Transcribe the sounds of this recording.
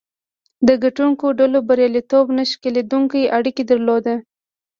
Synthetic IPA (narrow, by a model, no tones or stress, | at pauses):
d̪əɡaʈuŋkoɖalobaɾjalit̪obnaʃkeled̪uŋkajaɽiked̪əɾlod̪a